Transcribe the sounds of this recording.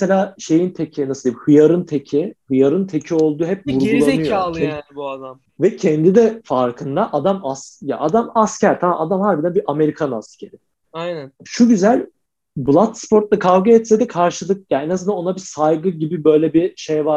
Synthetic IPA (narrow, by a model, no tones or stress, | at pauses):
mɛselʲaːʃe̞jint̪ʰecʰɛnasɯld̪ʲjiabihɯjaɾɯnt̪ʰecʰihɯjaɾɯnt̪ʰecʰio̞lˠd̪uːɦɛp̚vuɾɡulˠanɯjjoaabuad̪am | vɛcʰɛnd̪id̪ɛfaɾkʰɯnd̪aʔad̪amasja̰ʔad̪amascæɾt̪ʰamamad̪amhaɾbid̪ænbiʔame̞ɾikʰanascʰe̞ɾi | ajnanʃuɟyzælʲ | blˠat̪spʰo̞ɾt̪̚lˠakʰavɡɯɛt̪sɛd̪ɛkʰaɾʃɯlˠɯk̚jaenazɯnd̪ano̞nabisajɡɯɟibibø̞jlʲɛbiʃejvaɾ